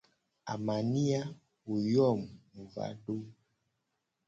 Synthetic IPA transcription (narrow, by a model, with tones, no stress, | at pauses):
a̰˨ma˨ni˦a˦ | u˨jɔ˦˨m˨va̰˨˦do˦